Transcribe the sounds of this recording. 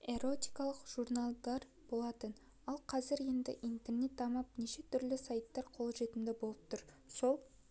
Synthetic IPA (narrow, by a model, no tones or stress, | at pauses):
e̞ɾo̞t̪ʲijkɑlˠəqʒ̥uɾnalˠd̪ɑɾ | b̥o̞lˠɑt̪ən | ɑlˠqʰɑzɪɾe̞nd̪ɪ̰ʔijnt̪e̞rne̞t̪ʰːɑmɑp̚ne̞ʃe̞t̪ʰʏɾlɪsajt̪ːɑɾqʰo̞lˠʒe̞t̪ɪmd̪ɪbo̞lˠəp̚t̪ʰʊɾ | so̞lˠ